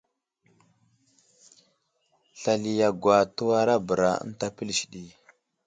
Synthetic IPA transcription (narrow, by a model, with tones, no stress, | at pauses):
ɬa˨li˨ja˨ɡwa˨tu˦wa˦ɾa˦bə˨ɾa̰˨ə̰˦n˦ta˦pə˦lʃi˨ɗi˨